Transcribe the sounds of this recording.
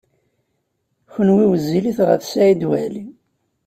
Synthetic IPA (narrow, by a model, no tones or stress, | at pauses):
çənwiwəzːiliθʁə̰θsæid̪wæli